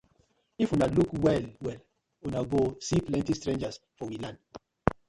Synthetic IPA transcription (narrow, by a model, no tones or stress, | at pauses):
ifunalukwɛlwɛl | unaɡosiplɛ̃ntistɹẽnd͡ʒas | fɔwilãnd